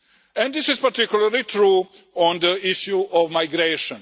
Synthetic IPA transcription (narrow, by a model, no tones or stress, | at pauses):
ɛ̃nd̪ɪsizpaɾt̪ikjulaɾlit̪ɾu | ɔ̃nd̪əiʃjuɔvmajɡɾeʃɔ̃n